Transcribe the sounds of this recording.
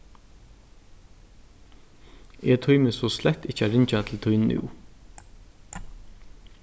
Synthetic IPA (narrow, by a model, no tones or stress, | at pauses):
eːt̪ʰɔʏməsoːslɛt̪ɪçəæɾɪɲc͡çat̪ʰl̩t̪ʰɔʏnʉ̰ː